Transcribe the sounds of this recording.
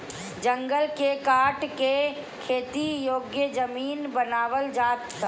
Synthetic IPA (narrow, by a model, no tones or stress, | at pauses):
d͡ʒə̃ŋɡəlkekaːʈke | kʰeːt̪ijoːɡjəd͡ʒəmiːnbənaːʋəld͡ʒaːt̪ː